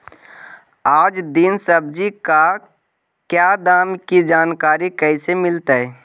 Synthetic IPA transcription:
aːd͡ʒd̪insəbd͡ʒika | kjaːd̪aːmkid͡ʒaːnkaːɾikɛsemɪlt̪aɦɛ

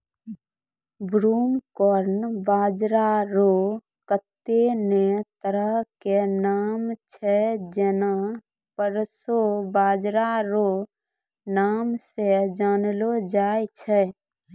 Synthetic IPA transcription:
bɾuːmkɔɾnbaːd͡ʒɾaɾo | kət̪ːenet̪əɾəɦkenaːmt͡ʃʰɛd͡ʒena | pəɾsobaːd͡ʒɾaɾo | naːmsed͡ʒaːnlod͡ʒaːet͡ʃʰɛ

